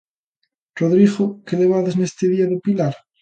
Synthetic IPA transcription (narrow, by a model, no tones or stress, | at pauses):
roðɾiɣokeleβ̞aðeznest̪eðiaðepilaɾ